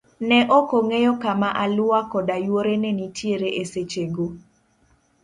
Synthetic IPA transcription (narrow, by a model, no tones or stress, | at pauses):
nɛʔɔkoŋejɔkamaʔalʊakɔdajwoɾenɛnitʰjeɾeʔeset͡ʃeɡo